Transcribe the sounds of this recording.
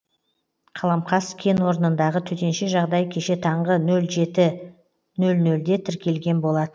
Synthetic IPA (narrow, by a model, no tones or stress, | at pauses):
qʰɑlˠɑmqɑskʲʰe̞nwo̞ɾənənd̪ɑʁət̪ʰɵt̪e̞nʃɪʒɑʁd̪ɑjkʲʰe̞ʃe̞t̪ʰɑɴʁənɵlʒe̞t̪ɪ | nɵlnɵld̪e̞t̪ʰɪɾkʲe̞lɡʲe̞nbo̞lˠɑd̪ə